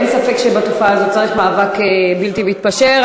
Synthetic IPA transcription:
nsafekʃebat̪ofaːzott͡saʁiχmaːvakebilt̪iveit̪̚paʃeʁ

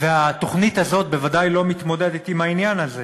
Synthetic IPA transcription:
veat̪o̞χnit̪hazo̞t̪̚be̞vadajlo̞mit̪mo̞d̪ed̪et̪imainjanaze

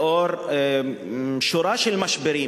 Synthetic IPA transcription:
oɾ | ʃoɾaʃelmaʃbeɾi

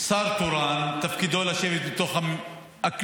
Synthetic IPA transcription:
saɾt̪oɾant̪afkid̪olaʃevet̪bet̪o̞χa | ak

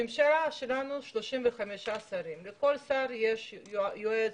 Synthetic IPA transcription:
imʃalaʃelanuʃloʃimveχameʃasaɾimlekolsaɾjeʃjoe

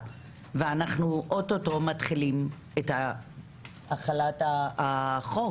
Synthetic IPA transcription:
veanaχnuʔototo̞matχilim | etha | aχalataaχo

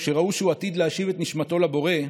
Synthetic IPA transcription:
ʃe̞ʁauʃeuat̪id̪leaʃivet̪niʃmat̪o̞labo̞ʁe̞

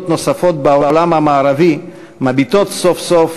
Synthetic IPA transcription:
t̪no̞safo̞t̪̚baolamhamaːɾavi | mabit̪o̞t̪so̞fsof

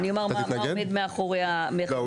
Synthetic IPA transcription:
niomaʁmaɡmed̪meaχoʁeame

